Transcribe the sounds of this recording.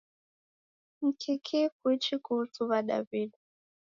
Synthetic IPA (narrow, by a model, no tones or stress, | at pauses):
m̩kʰikʰik̚uit͡ʃikutuβaɗa̰viɗ